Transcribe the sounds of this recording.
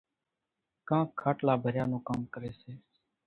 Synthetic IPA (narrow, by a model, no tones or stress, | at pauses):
kãːkʰːaːʈlaːbʱəɾjaːnõːkaːmkəɾeːseː